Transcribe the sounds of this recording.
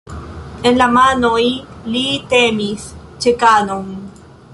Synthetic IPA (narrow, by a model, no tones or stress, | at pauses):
enlamanojilit̪emist͡ʃekanoŋ